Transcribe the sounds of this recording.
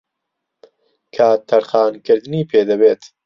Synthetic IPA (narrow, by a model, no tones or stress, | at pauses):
kʰaːt̪ʰːɐɾxɑːnkɨɾd̪ɨniːpʰeːd̪ɐbeːt̪